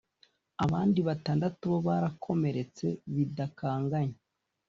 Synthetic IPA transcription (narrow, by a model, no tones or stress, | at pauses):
aβaːndiβataːndatuβo̞βaːɾakʰo̞me̞ɾe̞t͡se̞βidakaːŋɡaɲe